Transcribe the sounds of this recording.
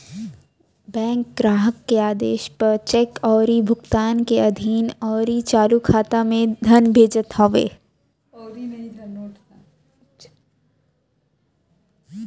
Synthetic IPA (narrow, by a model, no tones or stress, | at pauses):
bɛ̃ːŋkɡɾaːɦəkːeaːd̪ḛːʃpɐɾt͡ʃɛkɔːɾibʱʊɡt̪aːnkeɐd̪ʱiːnɔːɾit͡ʃaːlukʰaːt̪amẽd̪ʱɐnbʱeːd͡ʒət̪hɔːʋḛː